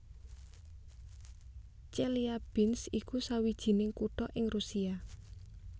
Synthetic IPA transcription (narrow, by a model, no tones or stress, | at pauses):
t͡ʃɛliab̥ɪnsikusawid̥ʒ̥i̤nɪŋkuʈɔʔɪŋrusia